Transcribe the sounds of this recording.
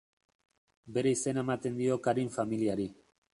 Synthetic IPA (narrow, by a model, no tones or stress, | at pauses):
be̞ɾe̞ise̞naemat̪e̞nd̪io̞kaɾiɱfamiliaɾi